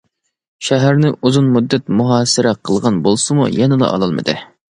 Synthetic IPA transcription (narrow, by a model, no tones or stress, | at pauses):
ʃæɦæɾnɪʔuzunmud̪ːæt̪̚muɦɑːsɪɾɛqʰəlˠʁɑnbolˠsɨmṵjɛnɨd̪ɑ̰ʔɑ̰lˠɑlˠmɨ̰d̪ɨ̰